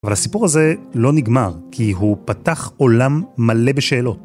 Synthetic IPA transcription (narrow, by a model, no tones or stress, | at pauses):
avalhasipuʁaze̞lo̞niɡmaʁkʰiɦupataχo̞lamːale̞beʃeːlo̞t